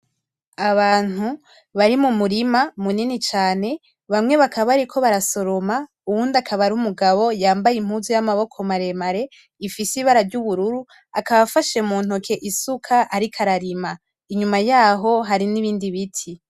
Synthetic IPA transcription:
aβaːn̥hu | βaɾimumuɾimamuninit͡ʃaːne̞ | βamŋe̞βakʰaβaɾikʰo̞βaɾaso̞ɾoma | uwuːndakʰaβaɾumuɡaβo̞jaːmbajim̥huzujamaβo̞kʰo̞maɾe̞maɾe̞ | ifisiβaɾavɟuβuɾuɾu | akaβafaʃemuːn̥hokʰe̞ʔisukʰaʔaɾikʰaɾaɾima | iɲumajaːɦo̞ɦaɾiniβiːndiβitʰi

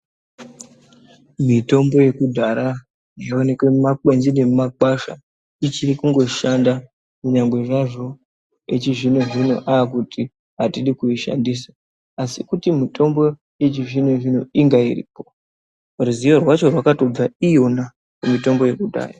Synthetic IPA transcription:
mito̞mbo̞je̞kudʱaɾa | jeone̞kwe̞mumakwe̞nzine̞mumak͡paʃa̰ | it͡ʃirikuŋɡo̞ʃanda | kuɲaŋɡwe̞ʐaʐo̞ | et͡ʃiʐinoʐino̰ʔaːk̬uti | ɦatiɗikuiʃa̰ndisa | asikutimito̞mbo̞ | je̞t͡ʃiʐinoʐinoiŋɡaḭrḭːpo̞ | ruzijorwat͡ʃo̞rwakato̞b͡vaijona | kumito̞mbo̞je̞kudʱa̰ːra

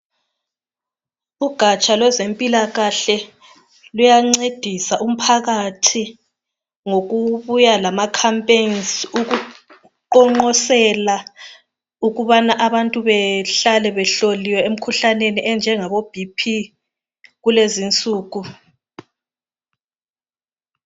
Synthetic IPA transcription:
uɡ̥ʱat͡ʃʼalwɛzempʼilaɣaɬɛ | lujaŋ͡ǀed̥ʱisaʔum̩pʰaɣatʰi | ŋoɣuβujalamakʰampʼensuɣu | ǃɔŋ͡ǃɔsɛla | uɣuβanaʔaβantʼuβɛɬalɛβɛɬoliwɛem̩kʰuɬaneniʔɛnd͡ʒʱɛŋaβob̥ʱipʰi | ɣulezint͡sʼuːɣu

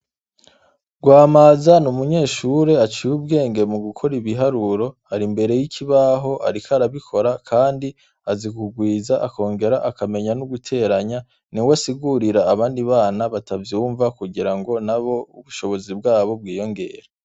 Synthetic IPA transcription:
ɡ̥waːmaːzanumuɲe̞ːʃuɾe̞at͡ʃijub̚ɡe̞ːŋɡe̞muɡukʰo̞ɾiβiɦaɾuɾo̞ | aɾimbe̞ɾe̞jikʰiβaɦo̞ʔa̰ɾikʰaɾaβikʰo̞ɾakʰaːndi | azikuɡwiːzaʔako̞ːŋɡe̞ɾaʔakame̞ɲanuɡutʰe̞ɾaɲa | niwasiɡuɾiɾaːβaːndiβaːnaβatavjuːɱvakuɡiɾaŋɡo̞naβo̞ṵβuʃo̞βo̞zibɡaːβo̞b̚ɡiːjo̞ŋɡe̞̰ɾe

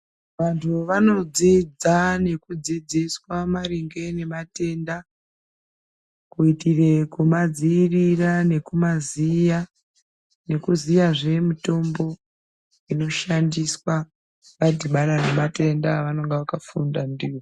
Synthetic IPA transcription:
ʋantʰuʋano̞d͡zid͡zane̞kud͡zid͡ziswamaɾiŋɡe̞ne̞mate̞nda | kuitire̞kumad͡ziːrirane̞kumazija | ne̞kuzijaʐe̞mito̞mbo̞ | ino̞ʃandiswa | ʋad͡ziɓaɾane̞mate̞ndaʋano̞ŋɡeʋakafundandiːwo

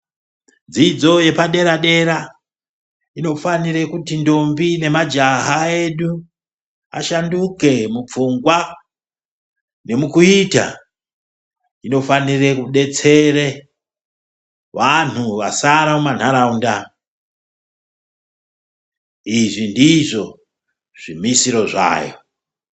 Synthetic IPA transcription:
nd͡zid͡zo̞je̞paɗe̞ɾaɗe̞ɾa | ino̞faniɾekutindo̞mbine̞mad͡ʒaɦae̞ɗu | a̰ʃanduke̞mup͡fuŋɡwa | ne̞mukuita̰ | ino̞fanire̞kuɗe̞t͡se̞re | ʋan̤uʋasaɾamuman̤aɾaunda | iʐindiʐo̞ | ʐ̥imisiɾo̞ʐa̰ːjo̞̰

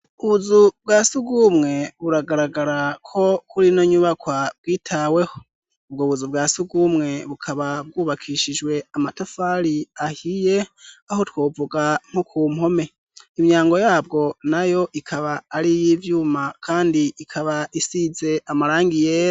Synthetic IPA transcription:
uβuzub̚ɡaːsuɡumŋe̞βuɾaɡaɾaɡaɾakʰo̞kuɾino̞ɲuβakwab̚ɡiːtʰawe̞ho | ub̚ɡoβuzubɡaːsuɡumŋe̞βukʰaβab̚ɡuːβakʰiːʃid͡ʒwe̞amatafaːɾiahije̞aho̞twoːvuɡaŋ̥hokʰuːmho̞me̞ | imɲaːŋɡo̞jaːb̚ɡo̞najo̞ʔikʰaβaːɾijivjuːmakʰaːndiikʰaβaʔisize̞amaɾaːŋɡijeːɾ

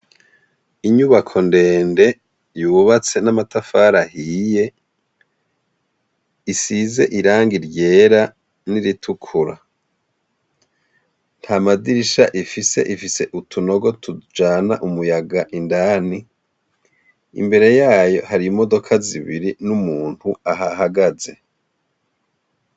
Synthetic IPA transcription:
iɲuβakʰo̞nde̞ːnde̞ | juːβat͡se̞namatafaɾahije̞ | isize̞ʔiɾaːŋɡiɾɟe̞ːɾa | niɾitʰukʰuɾa | n̥hʰaːmadiɾiʃaʔifise̞̰ʔifise̞ʔutʰuno̞ɡo̞tʰud͡ʒaːnaʔumujaɡaʔindaːni | ḭmbe̞ɾe̞jaːjo̞haɾiimo̞do̞kʰaziβiɾinumuːn̥huaɦahaɡaze̞

